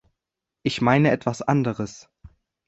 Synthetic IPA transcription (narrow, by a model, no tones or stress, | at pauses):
ʔɪçmaɪnəɛtv̥asʔa̰ndəʁəs